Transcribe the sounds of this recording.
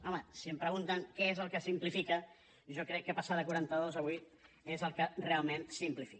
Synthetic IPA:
ɔməsiəmpɾəɣunt̪əŋkɛezəlˠkəsimplifikə | ʒɔkɾɛkːəpasaðəkuɾant̪əðozəβit̪ | ezəlˠkərealˠmẽnsimplifi̥k

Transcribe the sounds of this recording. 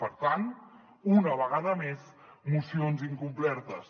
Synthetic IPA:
pəɾt̪an | unəβ̞əɣaðəmez | musionziŋkumplɛɾt̪əs

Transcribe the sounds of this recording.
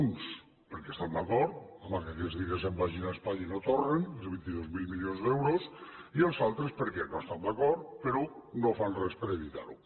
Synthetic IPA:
uns | peɾkest̪and̪akɔɾt̪amakakɛzðiɣezembaʒinaespaɲinot̪orenelˠzβint̪iðozmilˠmilionzðɛwɾosielˠsalˠt̪ɾespeɾkɛnost̪and̪akɔɾt̪peɾunofanrɛspeɾeβit̪a̰ɾu

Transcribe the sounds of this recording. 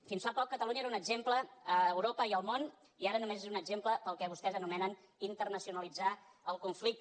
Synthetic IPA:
finsfapɔkːət̪əlˠuɲiəeɾunəɡzempləəːwɾopəiəlˠmon | iaɾənumezezunəɡʒempləpəlˠkɛβust̪ɛzənumɛnən | int̪ərnəsiunəlid͡za | əlˠkuɱflik̚t̪

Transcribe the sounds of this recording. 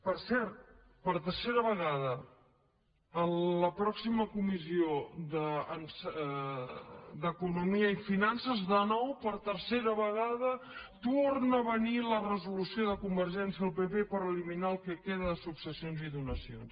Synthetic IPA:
pəɾsɛɾt̪ | pəɾt̪ərseɾəβəɣaðə | ələpɾɔksiməkumizioðəəns | d̪əkunumiəifinansəzðənɔwpəɾt̪əɾseɾəβəɣaðət̪ornəβənilərəzulusioðəkumbəɾʒɛnsiəəlˠpepepəɾəliminaəlˠkəkeðəðəsuksəsionziðunəsions

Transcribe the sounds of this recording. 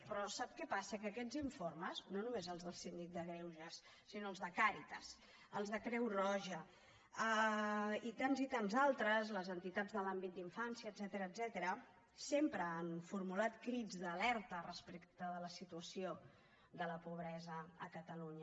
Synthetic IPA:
pɾɔsap̚kɛpasəkəːkɛd͡ziɱforməznonumezəlˠzðəlˠsind̪ik̚d̪əɣɾɛwʒəsː | inoəlˠzðəkaɾit̪əs | əlˠzðəkɾɛwrɔʒə | ə | it̪anzit̪anzalˠt̪ɾəzləzənt̪it̪ad͡zðəlambit̪̚d̪iɱfansiəːd̪z̥ɛt̪əɾəːd̪zɛt̪əɾə | sempɾəːnfurmulat̪kɾid͡zðəlɛɾt̪ərəspekt̪əðələsit̪uəsio | d̪ələpuβ̞ɾɛzəəkət̪əluɲə

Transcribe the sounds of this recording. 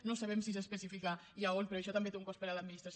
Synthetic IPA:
nosaβ̞ɛmsis̬espəsifikaiaonpeɾɔəʃɔt̪ambet̪euŋkɔspəɾaləd̪minist̪ɾas

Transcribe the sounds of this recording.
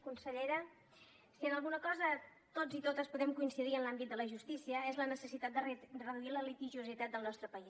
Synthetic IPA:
kunsəʎɛɾə | siənəlˠɣunəkɔzə | t̪od͡zit̪ot̪əspuðɛmkuinsiðiənlambit̪̚d̪ələʒust̪isiəezlənəsəsit̪at̪̚d̪rəðuiləlit̪iʒuzit̪at̪̚d̪əlˠnɔst̪ɾəpəis

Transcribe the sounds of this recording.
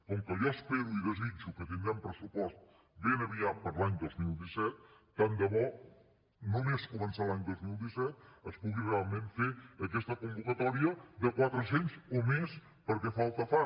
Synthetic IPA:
kɔŋkəʒɔəspeɾuiðəzid͡ʒukət̪iŋɡampɾəsupɔst̪̚ | benəβiapəɾlaɲd̪ozmilˠd̪isɛt̪̚ː | and̪əβɔ | numeskumənsalaɲd̪ozmilˠd̪isɛt̪̚əspuɣirealˠmẽɱfeəkɛst̪əkumbukət̪ɔɾiəd̪əkwat̪ɾəs̬enzomes | pəɾkɛfalˠt̪əfa

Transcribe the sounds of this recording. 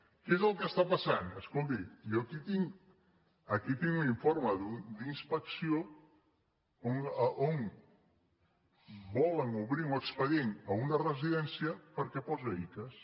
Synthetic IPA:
kezəlˠkest̪apasanəskolˠt̪̬iiokit̪iŋ | ɐkit̪iŋuiɱfoɾmɐðud̪inspəksjo | oŋʔoŋ | bɔleŋuβɾiuekspəðjeŋɐunɐreziðɛnsjɐpəɾkɛpɔzeikɐs

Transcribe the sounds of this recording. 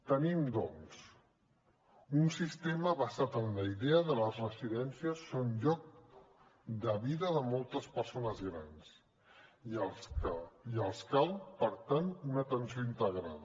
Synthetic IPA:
t̪ənimd̪ɔns | unsist̪eməβəzat̪ənləiðeəðələzrəziðɛnsiəsːonʎɔk̚ | d̪əβiðəðəmɔlˠt̪əspəɾsonəzɣɾans | əiəlˠskalˠpəɾt̪anunət̪ənsioint̪əɣɾa̰ð

